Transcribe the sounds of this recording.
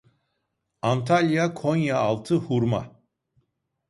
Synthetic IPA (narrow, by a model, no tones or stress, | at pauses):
ant̪ʰalʲjakʰonjaːlˠt̪ʰɯhuɾma̰